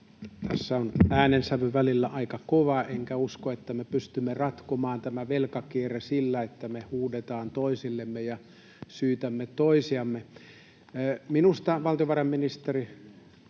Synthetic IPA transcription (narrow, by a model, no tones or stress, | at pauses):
t̪ʰæsːæonæːnensæʋøʋʋælilːæʔɑikɑkoʋɑeŋkæuskoet̪ːæmepyst̪ymːerɑt̪komɑːnt̪æmæʋelkɑkieresilːæet̪ːæmehuːdet̪ɑːnt̪oisilːemːejɑ | syːt̪æmːet̪oisiɑmːeː | minust̪ɑʋɑlt̪ioʋɑrɑmminist̪eri